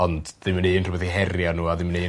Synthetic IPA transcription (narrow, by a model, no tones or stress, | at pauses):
ɔndðɪməneːnrʊbɛðiɦɛrjanuːaðɪməneː